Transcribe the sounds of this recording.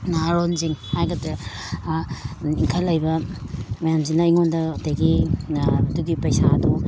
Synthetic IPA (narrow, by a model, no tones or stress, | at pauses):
naɾonziŋhajɡɐte | iŋkʰɐlːɐjbɐmɐjamzinaiŋondɐdajɡi | ɐduɡipɐjsadu